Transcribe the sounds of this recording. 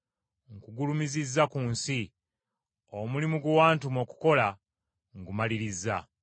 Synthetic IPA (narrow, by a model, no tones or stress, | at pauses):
ŋkuɡulumizizːakuːnsi | omulimuɡwaːntumoku̥ko̞la | ŋɡumaliɾizːa̰